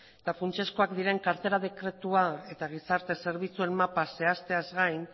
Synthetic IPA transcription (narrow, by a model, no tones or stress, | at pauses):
et̪afunt͡ʃesko̞akd̪iɾe̞ŋkaɾt̪e̞ɾað̞e̞kɾe̞t̪uae̞t̪aɣ̞isaɾt̪e̞se̞ɾβit͡sue̞nmapase̞ast̪e̞azɣajn